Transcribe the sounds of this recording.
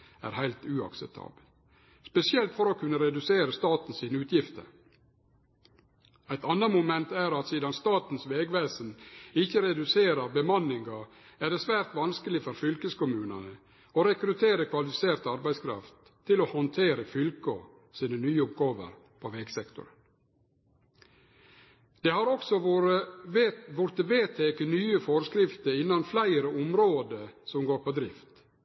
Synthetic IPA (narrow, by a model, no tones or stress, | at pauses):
æ̰ːɾhæɪlt̪ʉɑ̰ksɛp̚t̪ʰɑ̰ːbəl | spɛsɪɛlt̪fɔɾoːkʰʉnːəɾɛd̪ʉseːɾəst̪ɑːt̪n̩siːnəʉːt̪ʰjɪft̪ə̰ɾ | æɪt̪ɑnːɑmʊmɛnt̪æːɾɑt̪siːd̪ɑnst̪ɑːt̪n̩sʋeːɡʋæːsənɪçəɾɛd̪ʉseːɾɑbəmɑnːɪŋɡɑ | æɖɛsʋæːɾt̪ʋɑnskəlɪfɔɾfʏlkəskʊmʉːnə̰nə | oɾɛkɾʉt̪ʰeːɾəkʰʋɑlɪfɪseːɾt̪ɑɾbæɪskʰɾɑ̰ft̪ʰːɪlohɔnt̪ʰeːɾəfʏlkɔ̰ | siːnənyːəʊpɡoːʋə̰ɾ | pʰoʋɛɡsɛkt̪ʊ̰ɾə | d̪̥ehɑɾɔksɔ | ʋʊɾt̪əʋeːt̪ʰeːkənyːəfɔɾskɾɪft̪əɾɪnːɑnflæɪɾəʔʊmɾoːd̪əsɔmɡoːɾpɔd̪ɾɪft̪